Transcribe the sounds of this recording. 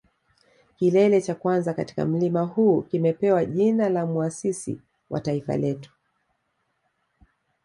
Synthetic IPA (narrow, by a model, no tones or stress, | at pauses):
kilɛlɛt͡ʃakwanzakati̥ka̰m̩limahuːkimɛpɛwaʄinalamuasisḭ | wʔa̰taifa̰lɛtu̥